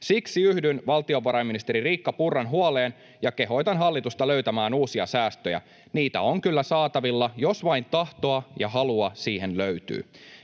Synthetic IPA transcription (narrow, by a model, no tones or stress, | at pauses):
siksiyhdynʋɑlt̪io̞ʋɑɾɑjmːinist̪eɾiriːkːɑpurːɑnɦuɑleːn | jɑke̞ɦo̞jt̪ɑnɦɑlːit̪ust̪ɑlø̞ɥt̪æmæːnuːsiɑsæːst̪øjæ̰ | niːt̪æ̰o̞ŋkylːæsɑːt̪ɑʋilːɑjo̞sʋɑjnt̪ɑht̪o̞ɑjɑ̰ɦɑluɑsiːɦenløɥt̪y̰ː